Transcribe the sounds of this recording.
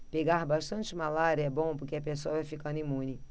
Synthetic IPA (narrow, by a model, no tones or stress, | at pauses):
peɡaɾbaʃt̪ɐ̃nt͡ʃɪmalaɾɐɛbõpʊɾkeɐpesoɐvajfikɐ̃nd̪ʊimũnɪ